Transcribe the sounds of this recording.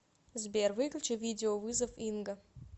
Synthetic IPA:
zbʲervɨklʲt͡ʃevʲidʲɪovɨzɐfinɡɐ

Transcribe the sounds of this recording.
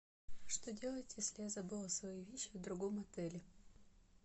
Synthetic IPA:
ʂt̪odʲelˠətʲjesʲlʲɪjazɐbɨlˠɐsvɐjivʲeɕːɪvd̪ɾʊɡomɐt̪ɛlʲɪ

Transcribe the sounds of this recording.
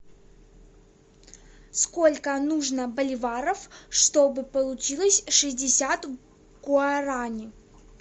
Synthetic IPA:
sko̞lʲkənuʐnəbəlʲɪvaɾəfʂt̪obɨpəlˠʊt͡ɕilˠəsʲʂɨzʲdʲɪsʲat̪ | ɡʊɐɾanʲɪ

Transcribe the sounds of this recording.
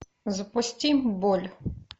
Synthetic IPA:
zpɔsʲtʲimbɔlʲ

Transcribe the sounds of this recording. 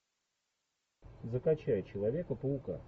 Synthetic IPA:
zəkɐt͡ɕæjt͡ɕɪlˠɐvʲe̞kəpəʊka̰

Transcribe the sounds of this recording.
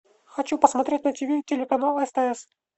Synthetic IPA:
xɐt͡ɕupəsmɐt̪ɾʲetʲnətʲɪvʲitʲɪlʲɪkɐnalˠəɛst̪aɛs

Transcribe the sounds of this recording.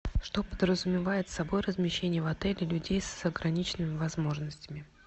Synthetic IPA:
ʂt̪o̞pəd̪ɾəzʊmʲɪvajɪt̪sɐbo̞jrəzmʲɪɕːenʲɪjəvɐt̪ɛlʲɪlʲʉdʲejsɐɡɾɐnʲit͡ɕɪnɨmʲɪvɐzmo̞ʐnəsʲtʲɪmʲɪ

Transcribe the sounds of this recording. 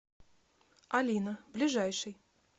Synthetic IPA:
alʲinɐblʲiʐajʂɨj

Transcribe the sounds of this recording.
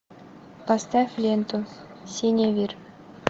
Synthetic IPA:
pɑst̪ɑfʲlʲent̪u | sʲenʲevʲir

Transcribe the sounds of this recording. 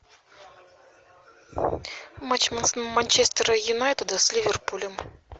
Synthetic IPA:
mat͡ɕmɐnsmanʲt͡ɕest̪əɾəjunajt̪əd̪əsʲlʲivʲerpulʲɪm

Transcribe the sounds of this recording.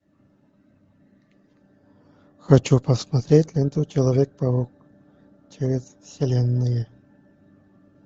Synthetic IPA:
xɐt͡ɕupɐsmɐt̪ɾʲet̪ʲlʲent̪ut͡ɕelˠɐvʲek̚pɐuk̚ | t͡ɕeɾʲezsʲelʲenːɨje

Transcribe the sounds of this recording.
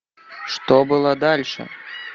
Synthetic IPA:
ʂt̪ɔbɨlˠod̪alʲʂɨ̰

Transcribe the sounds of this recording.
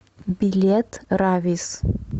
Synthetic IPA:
bʲilʲet̪ʰravʲis

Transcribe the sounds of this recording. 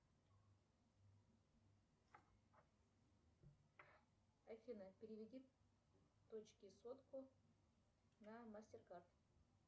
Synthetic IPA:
ɐfʲinəpʲɪɾʲɪvʲɪdʲi | t̪ot͡ɕkʲɪsot̪kʊ | nɐmasʲtʲɪrkart̪

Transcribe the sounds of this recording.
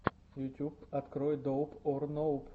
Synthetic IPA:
jʊt̪ʲupɐt̪kɾɔjd̪owpɔrnowp

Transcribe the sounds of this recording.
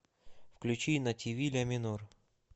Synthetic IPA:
fklʲʉt͡ɕinɐtʲivʲilʲɐmʲɪnor

